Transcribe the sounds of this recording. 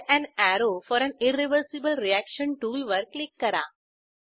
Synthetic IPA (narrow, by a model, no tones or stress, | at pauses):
æ̃næɾofɔːɾɛ̃nɪɾeʋəɾsibəlɾiækʃə̃nʈuːlʋəɾklikːəɾa